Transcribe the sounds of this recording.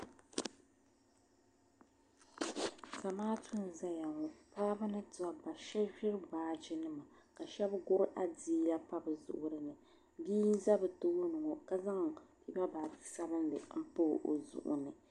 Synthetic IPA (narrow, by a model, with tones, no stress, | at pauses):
sa˨maː˦tʰu˦n˨za˦ja˨ŋo˨paː˦bɨ˦nɨ˦ta˨ba˨ʃɛ˦ʒᶣɪ˦ɾbaː˨˦d͡ʒɪ˦nɨ˦ma˨ka˨ʃɛ˦bɡʊ˦ɾʔa˦di˦la˦pa˦bɨ˨zʊ̰˨ʔʊ˨ɾɨ˨nɨ˨ | biː˦n˦za˦bɨ˨to˦o˦nɨ˨ŋo˨ka˦za˦ŋpi˦ba˦ba˨tɨ˨˦sa˦bɨ˦n˦lɨ˨m̩˦po˦ʔo̰˨zʊ̰˨ʔʊ̰˨nɨ˨